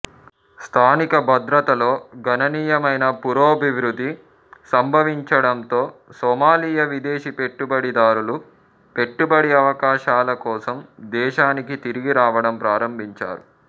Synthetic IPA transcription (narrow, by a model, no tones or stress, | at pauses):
st̪ʰaːnikɐbʱɐd̪ɾɐt̪ɐlo̞ːɡʱɐnɐniːjɐmɐjnɐpuɾoːɐbʱiʋɾud̪ːi | sɐmbʱɐʋiɲt͡ʃɐɽɐnt̪o̞ːsɔːmaːlijɐʋid̪eːʃipe̞ʈːubɐɽid̪aːɾulu | pe̞ʈːubɐɽiɐʋɐkaːʃaːlɐkɔːsɐmd̪ɛːʃaːnikit̪iɾiɡiɾaːʋɐɽɐmpɾaːɾɐmbʱiɲt͡ʃa̰ːɾu